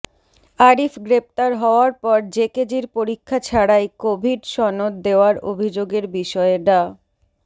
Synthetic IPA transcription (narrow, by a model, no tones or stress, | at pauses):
aɾifɡɾep̚t̪aɾɦɔoaɾpɔɾd͡ʑeked͡ʑiɾpoɾikʰːat͡ɕʰaɽaekobʱiɖʃɔnot̪d̪eoaɾo̰bʱid͡ʑoɡeɾbiʃɔeɖa